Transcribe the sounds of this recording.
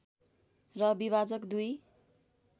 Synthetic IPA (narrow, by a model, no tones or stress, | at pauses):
rʌbiβad͡zʌkd̪uj